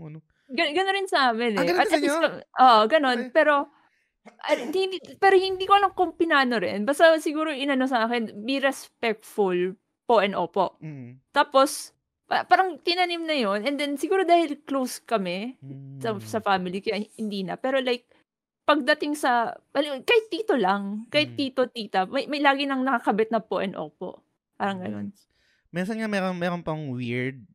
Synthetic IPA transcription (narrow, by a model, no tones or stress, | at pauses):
ɡɐɡɐnoɾɪnsɐʔaːmɪnɛɐɐisɐʔoːʔoɡɐno̞npɛːɾo̞ | ʔɐhɪnipɛːɾo̞hɪnd̪iːkolɐŋkompɪnaːnoɾɪ̰nbɐst̪ɐsɪɡuːɾoʔɪnɐno̞sɐʔaːkɪnbiɾɛspɛk̚t̪fʊl | poʔɛnʔoːpoʔt̪aːpo̞s | papaːɾɐŋt̪ɪnɐnimnɐjo̞nʔɛnd̪ɛnsɪɡuːɾod̪aːhɪlklowskɐmɛsɐsɐfamɪlikɐjahhɪnd̪iːnɐpɛːɾo̞lajk̚ | pɐɡ̚d̪ɐt̪ɪŋsɐɐlikɐhɪt̪ːiːt̪o̞lɐŋkɐjɪt̪ːiːt̪o̞t̪iːt̪ɐmɐjmɐjlaːɡɪnɐŋnɐkɐkɐbɛt̪nɐpoʔɛnʔo̰ːpo̰ʔ | paːɾɐŋɡɐno̞̰n | mɛns̬ɐnŋamɛɾomɛːɾonpɐŋwiɹd̪̚